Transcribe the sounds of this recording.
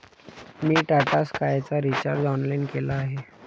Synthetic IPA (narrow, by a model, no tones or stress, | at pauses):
miːʈaʈaskajt͡saɾit͡ɕaɾd͡zɔnlainkelaːɦe